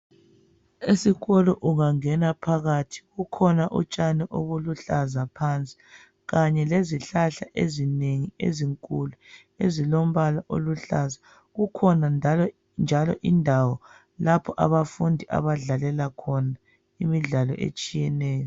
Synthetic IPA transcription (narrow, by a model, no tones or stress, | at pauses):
esiɣɔlɔʔuɣaŋɛnapʰaɣatʰi̥ɣukʰɔnaʔṵt͡ʃʼanɛʔoɣuluɬazapʰant͡sʼi̥ | ɣaɲɛleziɬaɬaʔezineŋiḛziŋkʼulu | ezilom̩βalaʔo̰luɬaza | ɣukʰɔna | nd͡ʒʱalɔ̰ʔindʱawɔ | lapʰɔʔa̰βafundʱiʔa̰βaɮalɛlakʰɔna | imiɮalɔ̰ʔḛt͡ʃʼijɛnɛːjɔ